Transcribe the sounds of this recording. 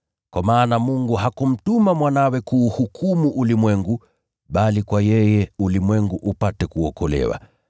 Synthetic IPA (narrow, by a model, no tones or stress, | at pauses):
kwamaːnamuŋɡuɦakum̩tumamwanawɛkuːhukʰumuʔulimwɛŋɡu | ɓalikwajɛjɛulimwɛŋɡuʔupatɛkuɔkɔlɛ̰wa̰